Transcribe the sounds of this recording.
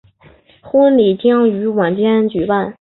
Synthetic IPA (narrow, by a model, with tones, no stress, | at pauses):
xu˥nli˨˩t͡ɕɑ˥ŋy˧˥wa˨˩nt͡ɕjɛ˥nt͡ɕy˨˩pa˥˩n